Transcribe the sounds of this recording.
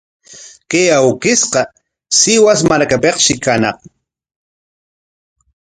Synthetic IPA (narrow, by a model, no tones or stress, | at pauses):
kejawkɪsqɑ | sɪwas̬maɾkapeqʃɪkanɑχ